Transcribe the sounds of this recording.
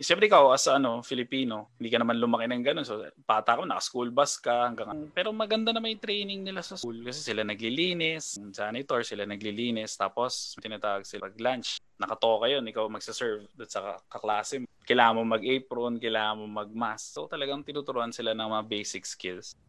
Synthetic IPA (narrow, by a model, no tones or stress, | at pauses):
ʃɛmpɾɛʔɪkawʔɐsɐʔɐno̞fɪlɪpiːno̞hɪnd̪iːkɐnɐmanlʊmɐkɪnɐŋɡɐno̞nsopaːt̪aːkɐmonɐkɐskulbɐskɐhɐŋɡaŋɐŋpɛːɾomɐɡɐnd̪anɐmɐjt̪ɾɛjnɪŋnɪlasɐskulkɐsɛsɪlanɐɡliliːnɪsd͡ʒaːnɪt̪oɹsɪlanɐɡliliːnɪst̪a̰ːpo̞st̪ɪnaːt̪aːwɐɡ̚sɪpɐɡ̚lant͡ʃnɐkɐt̪okɐjo̞nʔɪkawmɐɡ̥̚sɪsɛɹvd̪ʊnsɐkɐklaːsɛkɐjlaːŋɐmoŋmɐɡʔɛjpɾonkɐjlaːŋɐmoŋmɐɡ̚masːot̪ɐlɐɡaŋt̪ɪnut̪ʊɾʊʔansɪlanɐŋmɐŋabejsɪk̚skɪls